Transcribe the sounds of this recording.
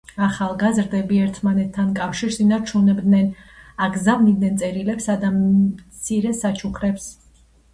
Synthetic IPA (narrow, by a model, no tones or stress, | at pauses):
aχalˠɡazɾd̪ɛbiɛɾt̪ʰmanɛt̪ʰːankʼafʃiɾsinaɾt͡ʃʰunɛbd̪nɛnaɡzamnid̪nɛnsʼɛɾilɛpsad̪amt̪sʰiɾɛsat͡ʃʰukʰɾɛps